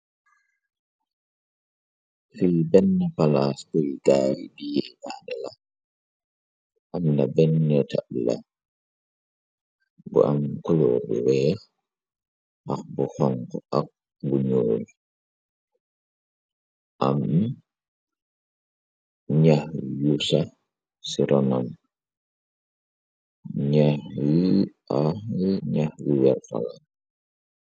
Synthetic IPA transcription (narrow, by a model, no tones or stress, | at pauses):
fibɛnːapalaskɔjɡaːɾidijɛʔaːdɛla | ʔamnabɛnːɛtabla̰ | bɔ̰ʔamkɔlɔːbɛwɛːɾ | ʔak̚bɔhɔŋkɔʔak̚ | buɲoːl | ʔam | ɲahjusa | siɾʔɔnan | ɲahji | aiɲahjiwɛɾfa̰la